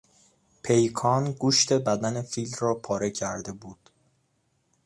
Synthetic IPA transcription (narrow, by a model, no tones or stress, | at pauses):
pʰe̞jkʰɒːnɡuːʃt̪ʰe̞bæd̪æne̞fiːlrɒːpʰɒːɾe̞cʰæɾd̪e̞buːd̪̥